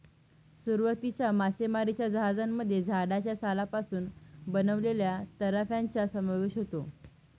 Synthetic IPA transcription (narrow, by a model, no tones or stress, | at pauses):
suɾʋət̪it͡ɕjamasemaɾit͡ɕjad͡zəɦad͡zamːəd̪ʱːjed͡zʱaɽat͡ɕjasalapasuːnbənəʋleljat̪əɾafjaɲt͡ɕjasəmaʋeɕɦot̪o